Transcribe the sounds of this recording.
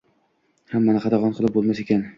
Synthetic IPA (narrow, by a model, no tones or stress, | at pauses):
hamːanɪqɑd̪ɑʁɒnqʰɨlˠɪp̚bolˠmase̞kʲan